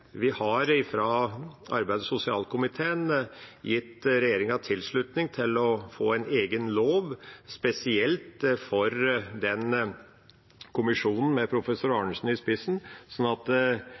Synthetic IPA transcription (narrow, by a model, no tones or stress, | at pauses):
ʋɪhɑɾɪfɾɑɑɾbæɪd̪sʊsɪɑːlkʰʊmɪt̪ʰeːənjɪt̪ːɾɛjeːɾɪŋɑt̪ʰɪlʂɭʉt̪nɪŋt̪ʰɪlɔfoːæɪneːɡənloːʋspɛsɪɛlt̪fɔɾd̪ɛn | kʰʊmɪʂuːnn̩mɛpʰɾʊfɛsʊɾɑɳəʂn̩ɪspɪsn̩sɔnːɑt̪